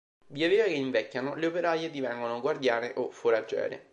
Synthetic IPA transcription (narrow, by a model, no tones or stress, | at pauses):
biaveːɾakeiɱvɛkːanoleopeɾaːjed̪ivɛŋɡonoɡward̪jaːneʔofoɾad͡ʒːɛ̰ːɾḛ